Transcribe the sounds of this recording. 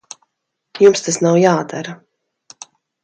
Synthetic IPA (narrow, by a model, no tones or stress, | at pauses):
jumst̪asnawjaːd̪aɾa